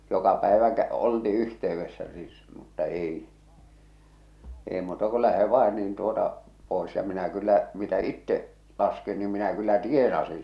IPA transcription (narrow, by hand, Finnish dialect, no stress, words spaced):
jokɑ pæeʋæ kæ olti yhteyʋːesːæ sis mutːɑ eˑi eˑe̝ muːtɑ ko læhe ʋɑˑe niːn tuotɑ poˑes jɑ minæ kylːæ mitæ itːeʔ lɑskin nim minæ kylːæ tienɑsin̞